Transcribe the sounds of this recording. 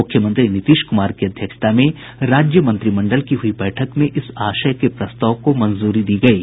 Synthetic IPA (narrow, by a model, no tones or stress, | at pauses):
ʊkʰjəmə̃nt̪ɾinɪt̪iːʃkʊmaːɾkiɐd̪ʱjəkʃt̪ʰamẽ | ɾaːd͡ʒjəmə̃nt̪ɾimɐ̃ɳɖəlkiɦʊibɛːʈʰəkmẽʔɪsaːʃəjkepɾɐst̪aːʋkomɐnzuːɾid̪iːɡɐiː